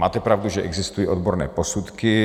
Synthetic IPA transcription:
maːt̪ɛpɾavduʒɛʔɛɡzɪst̪ujiod̪boɾnɛ̰ːposut̪kɪ

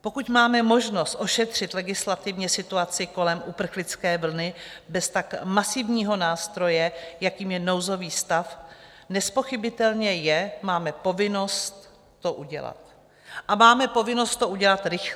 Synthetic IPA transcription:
po̞kucmaːmɛmo̞ʒno̞st̪ʔo̞ʃɛt̪r̝̥ɪt̪lɛɡɪslat̪ɪvɲɛsɪt̪uat͡sɪko̞lɛmʔupr̩xlɪt͡skɛːvl̩nɪbɛst̪akmasɪvɲiːɦo̞naːst̪ɾo̞jɛjakiːmjɛno̞wzo̞viːst̪af | nɛspo̞xɪbɪt̪ɛlɲɛjɛmaːmɛpo̞vɪno̞st̪ː | oʔuɟɛ̰la̰t̪ | ʔamaːmɛpo̞vɪno̞st̪̚t̪ːo̞ʔuɟɛlat̪ɾɪx

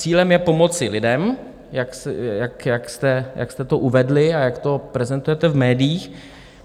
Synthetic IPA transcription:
t͡siːlɛmjɛpo̞mo̞t͡sɪlɪdɛm | jaksjakjakst̪ɛjʔa̰kst̪ɛt̪o̞ʔuvɛdlɪajakt̪o̞pɾɛzɛnt̪ujɛt̪ɛvmɛːdɪjiːx

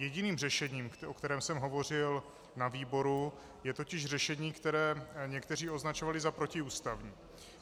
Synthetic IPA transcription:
jɛɟɪniːmrɛʃɛɲiːmokt̪ɛɾɛːmsɛmɦo̞vo̞r̝ɪl | naviːbo̞ɾu | jɛt̪o̞cɪʃr̝ɛʃɛɲiːkt̪ɛɾɛːɲɛkt̪ɛr̝iːo̞znat͡ʃo̞valɪzapɾo̞cɪuːst̪avɲiː

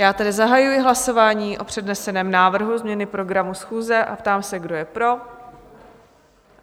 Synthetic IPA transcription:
jaːt̪ɛdɪzaɦajujɪɦlaso̞vaːɲiːʔo̞pr̝̥ɛdnɛsɛnɛːmnaːvr̩ɦuzmɲɛnɪpɾo̞ɡɾamusxuːzɛʔa̰pt̪aːmsɛɡdo̞jɛpɾo̞

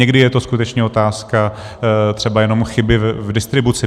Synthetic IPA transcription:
ɛɡdɪjɛt̪o̞skut̪ɛt͡ʃɲɛo̞t̪aːska | t̪r̥ɛbajɛno̞mxɪbɪvvdɪst̪ɾɪbut͡sɪ

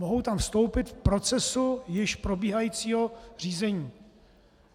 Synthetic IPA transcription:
oɦowt̪amfst̪o̞wpɪt̪fpɾo̞t͡sɛsujɪʃpɾo̞biːɦajiːt͡siːɦo̞r̝iːzɛɲiː

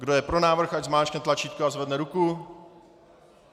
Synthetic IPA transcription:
ɡdojɛpɾo̞naːvr̩xad͡ʒzmaːt͡ʃknɛt̪lat͡ʃiːt̪koazvɛdnɛɾuku

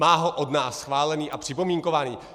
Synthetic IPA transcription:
aːɦoʔodnaːsːxvaːlɛniːʔapr̝̥ɪpo̞miːŋko̞vaːniː

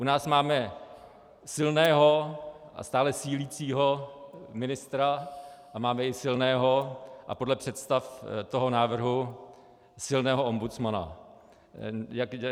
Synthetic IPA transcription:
ʔunaːsmaːmɛ | sɪlnɛːɦo̞ʔa̰st̪aːlɛsiːliːt͡siːɦo̞mɪnɪst̪ɾaʔamaːmɛɪsɪlnɛːɦo̞ʔa̰po̞dlɛpr̝̥ɛt̪st̪aft̪oɦo̞naːvr̩ɦu | sɪlnɛːɦo̞ʔombut͡smana̰ | jakj

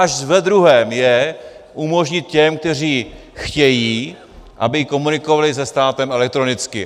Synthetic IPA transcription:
aʃvɛd̪ɾuɦɛːmjɛʔumo̞ʒɲɪt̪̚cɛmk̚t̪ɛr̝iː | xcɛjiː | ʔa̰bɪko̞munɪko̞valɪsɛst̪aːt̪ɛmɛlɛk̚t̪ɾonɪt͡skɪ

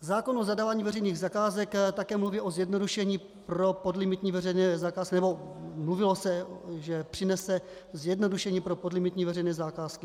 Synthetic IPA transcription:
zaːko̞nozadavaːɲiːvɛrɛjniːɣzakaːzɛkt̪akɛːmluviːʔo̞zjɛdno̞duʃɛɲiː | pɾo̞podlɪmɪt̪ɲiːvɛrɛjnɛːzakaːskɪnɛbo̞mluvɪlosɛʒɛpr̝̥ɪnɛsɛ | zjɛdno̞duʃɛɲiːpɾo̞podlɪmɪt̪ɲiːvɛrɛjnɛːzakaːskɪ

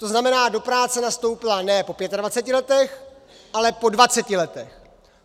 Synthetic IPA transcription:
t̪o̞znamɛnaːdo̞pɾaːt͡sɛnast̪o̞wpɪlanɛːpo̞pjɛt̪advat͡sɛcɪlɛt̪ɛx | ʔalɛpo̞dvat͡sɛcɪlɛt̪ɛx

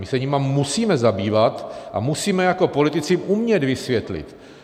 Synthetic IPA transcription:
mɪsɛɲimamusiːmɛzabiːvat̪ʔa̰musiːmɛjako̞po̞lɪt̪ɪt͡sɪʔumɲɛd̪vɪsvjɛt̪lɪ̰t̪

